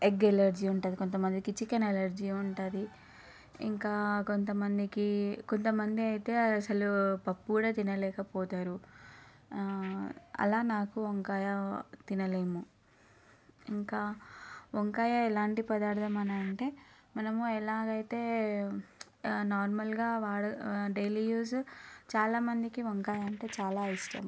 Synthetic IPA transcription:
eɡelɐɾd͡ʒiːuɳʈaːd̪iko̞nt̪̬ɐmɐnd̪ikit͡ʃikɐnelɐɾd͡ʒiuɳʈaːd̪i | ḭŋkaːko̞nt̪ɐmɐnd̪ikiko̞nt̪ɐmɐnd̪iɐjit̪e̞ːɐsɐlupɐpːuːɽaːt̪inɐlɛːkɐpɔːt̪aːɾu | ɐ̰laːnaːkuoŋkaːjat̪inɐleːmu | iŋkaːoŋkaːjaɛlaːɳʈipɐd̪aːɾt̪ɐmɐnɐːɐɳʈeː | mɐnɐmuɛlaːɡɐjit̪e̞ː | naːɾmɐlɡaːʋaːɽɐɖejliːjuːst͡ʃaːlaːmɐnd̪ikioŋkaːjaɐɳʈe̞ːt͡ʃaːlaːisʈɐ̰m

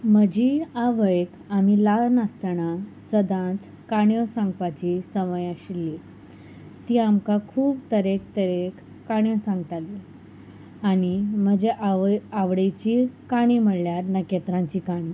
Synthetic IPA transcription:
m̤əd͡ʑiaʋəjk | am̤ilalnast̪əɳasəd̪ʱãt͡s | kaɽjɔsãŋɡpat͡ɕisəməjaɕilːi | t̪iːamkakʰuːbt̪əɾek̚t̪əɾekː | aɳjõsãŋɡt̪ali | aɽ̃im̤əd͡ʑeʔaaʋɽet͡ɕikaɽ̃iməɽljaɾnəket̪ɾãɲt͡ɕiːkaɽ̃i

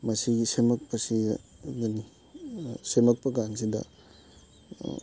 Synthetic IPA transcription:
mɐsiɡisemɐk̚pɐsḭɡɐni | semɐk̚pɐɡansidɐ̰

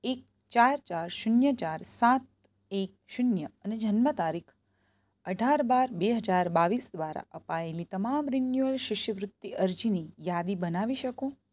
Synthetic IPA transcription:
ek̚ | t͡ʃaɾt͡ʃaɾʃʊnjət͡ʃaɾsat̪̚ | ek̚ʃʊnjəəned͡ʒənmət̪aɾikʰ | əɖʱaɾbaɾbeɦəd͡ʒaɾbaʋisd̪ʋaɾa̰ʔəpaelit̪əmamɾinjuəlʃɪʃjəʋɾʊt̪ːiʔəɾd͡ʒinijad̪ibənaʋiʃəko

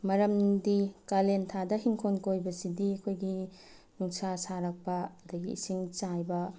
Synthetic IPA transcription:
mɐɾɐmdikalentʰadɐɦiŋkʰonkojbɐsidiɐkʰojɡi | nuŋsasaɾɐk̚pɐɐdɐɡḭḭsiŋt͡ʃajbɐ

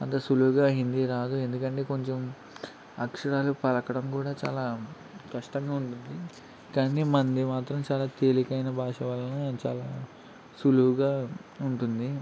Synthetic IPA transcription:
ɐ̰nd̪ɐsuluʋuɡaːɦind̪iːɾaːd̪ue̞nd̪ukɐɳʈe̞ːko̞ɲt͡ʃem | ɐ̰kʂɐɾaːlupɐlɐkɐɽɐmkuːɽaːt͡ʃa̰ːlaː | kɐʂʈɐŋɡaːuɳʈund̪i | kɐːnimɐnd̪imaːt̪ɾɐmt͡ʃaːlaːt̪eːlikɐjnɐbʱaːʂɐʋɐlɐnɐt͡ʃa̰ːlaː | suluʋuɡaːuɳʈund̪i

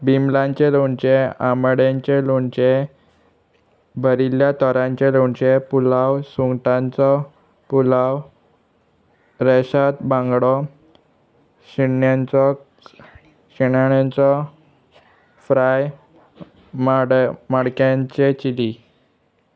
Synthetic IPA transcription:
bimlãɲt͡ɕeloɳt͡ɕeaməɽjaɲt͡ɕeloɳt͡ɕe | bʱəɾiljat̪ɔɾãɲt͡ɕeloɳt͡ɕepulawsuŋɡʈãnt͡sɔ | pulaw | ɾeɕat̪bãŋɡɽɔ | ɕiɳjant͡sɔ | ɕiɳaɽjant͡sɔ | fɾaj | mɽmaɽkãɲt͡ɕet͡ɕili

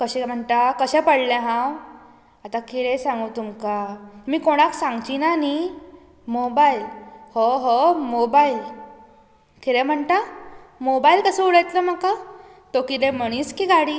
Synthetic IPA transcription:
kəɕɛ̃m̤əɳʈ̪akəɕɛ̃pəɽlɛ̃ɦãw | at̪akiɽẽsãŋɡut̪umkamiːkoɽ̃aksãŋɡt͡ɕiːnani | mobailhɔɦɔmobail | kiɾɛ̃m̤əɳʈ̪amobailkəsəuɽəjt̪ləm̤aka | t̪okit̪ẽm̤əɽ̃iːskiːɡaɽiː

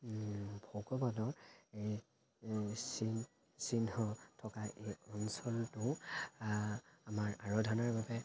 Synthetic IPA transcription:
bʱɔkɔbadɔɹej | sin | sinɔtʰɔkaʔejɔnsɔltʊ | amaɹaɹɔdʱanaɹbabɛ

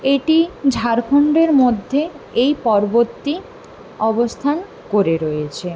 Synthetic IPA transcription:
eʈid͡ʑʱaɾkʰoɳɖeɾmod̪ʱːe | ejpɔɾbot̪ːi | ɔbost̪ʰan | koɾeɾojet͡ɕʰe

